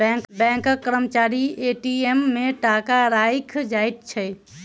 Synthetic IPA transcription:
bɛ̃ŋkbɛ̃ŋkkːəɾəmət͡ʃaɾieʈiemːeʈakaɾajkʰd͡ʒajt̪̚t͡ʃʰɛ

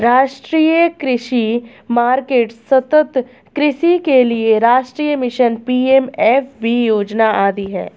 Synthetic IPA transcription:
ɾaːʃʈɾiːjəkɾɪʃi | maːɾkeːʈsɐt̪ət̪ | kɾɪʃikelieɾaːʃʈɾiːjəmɪʃənpiːeːmɛːfbʱijoːd͡ʒnaʔaːd̪iɦɛ̰ː

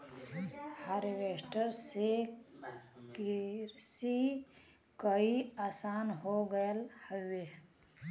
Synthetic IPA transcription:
haɾʋesʈəɾse | kɾsi | kəiasanɦoɡəelhəwe

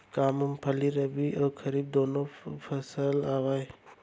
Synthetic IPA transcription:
kamumpʰɐliɾɐbiʔɐwkʰɐɾib̚d̪ɔnopʰɐsəlawaj

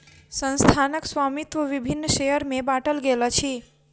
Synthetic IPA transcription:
sə̃nst̪ʰanəksʋamit̪ʋəʋibʱinːʃejəɾmẽbaʈəlɡelat͡ʃʰi

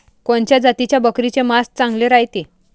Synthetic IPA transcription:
koɳt͡ɕjad͡zat̪it͡ɕjabəkɾit͡ɕemas̚t͡sãŋɡleɾajt̪e

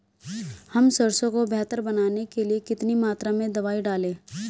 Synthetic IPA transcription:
hɐmsɐɾsõkobʱɛːt̪əɾbɐnaːnekeliekɪt̪nimaːt̪ɾamẽd̪ɐʋaːiɖaːlẽː

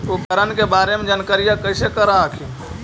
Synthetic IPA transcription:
ukəɾənkebaɾemed͡ʒənkəɾijakəɪsekəɾaəkʰi

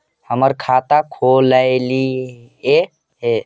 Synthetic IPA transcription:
həməɾkʰat̪akʰolajli | e | e

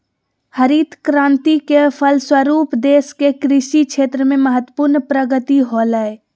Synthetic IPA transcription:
həɾiːt̪ʰkɾãːnt̪ikepʰəlswəɾuːpd̪eːskekɾɪʃikʃʰeːt̪ɾəmẽməɦət̪wə̥puɾnpɾəɡət̪iɦoːləe

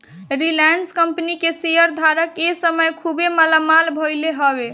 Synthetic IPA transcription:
ɾilanskəmpnikesejəɾd̪ʱaɾəkesəməjkʰubeməlamalbʱɔjleɦɔbe

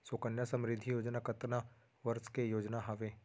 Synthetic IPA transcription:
soːkənjasə̃mɾɪd̪ʱːijoːd͡ʒnakət̪na | ʋɐɾskejoːd͡ʒnaɦɐʋeː

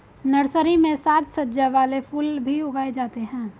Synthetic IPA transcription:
nɐɽsəɾimẽsaːt̪sɐtd͡ʒaʋaːlefʰuːlbʱiʊɡaːed͡ʒaːt̪eɦɛ̃ː

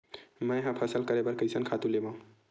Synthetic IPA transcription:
məjɦãpʰəsəlkəɾebəɾkəjsənkʰat̪ũlebã

